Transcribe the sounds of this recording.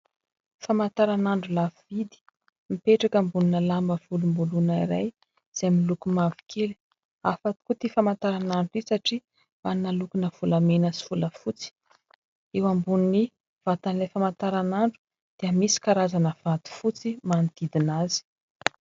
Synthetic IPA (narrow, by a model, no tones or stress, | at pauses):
famant̪aɾanaɳɖ͡ʐulavvid̪i̥ | mipeʈ͡ʂakəmbuninəlambəv̥ulumbulunaiɾa̰j | z̥amilukumavi̥kʰeli̥ | afat̪kut̪ifamant̪aɾanaɳɖ͡ʐuisaʈ͡ʂi | mannːalukunəv̥ulamenəsi̥fuləfut͡si̥ | ewambunini | v̥at̪anlefamant̪aɾanaɳɖ͡ʐu̥ | d̪̥eəmisi̥kaɾazanəv̥at̪i̥fut͡simand̪̥id̪inazi̥